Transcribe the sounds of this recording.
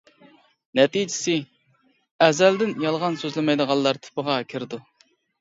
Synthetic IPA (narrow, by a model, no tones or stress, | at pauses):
nɛt̪id͡ʒɪ̥sɪ | ɛzæld̪ɪnjɑlˠʁɑnsøzlɪmɛjd̪əʁɑlˠːɑɾt̪ʰɪ̥pəʁɑkʲʰɪɾd̪u